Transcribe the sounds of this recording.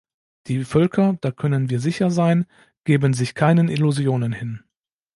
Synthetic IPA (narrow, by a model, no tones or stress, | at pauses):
d̥iːfœlkʰɐd̥aːkʰœnənviːɐzɪçɐzaɪn | ɡ̥eːbənzɪçkʰaɪnəniluzjoːnənhɪn